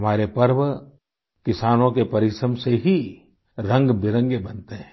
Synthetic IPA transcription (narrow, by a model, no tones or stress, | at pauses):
ɦɐmaːɾepɐɾʋ | kɪsaːnõkepɐɾɪʃɾəmseɦi | ɾə̃ŋɡbɪɾə̃ŋɡebɐnt̪eɦɛ̃ː